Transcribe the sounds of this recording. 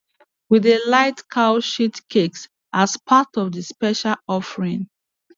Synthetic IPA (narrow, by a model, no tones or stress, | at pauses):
wiðelaɪtkʰaʊʃitkʰeks | aspʰatɔvðəspɛʃalɔfəɹĩŋ